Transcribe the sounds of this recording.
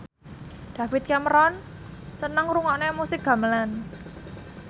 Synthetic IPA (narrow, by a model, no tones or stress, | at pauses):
d̪̥a̤fɪt̪̚kaməɾɔn | sənəŋɾuŋɔʔnemusɪk̚ɡ̥ä̤məlan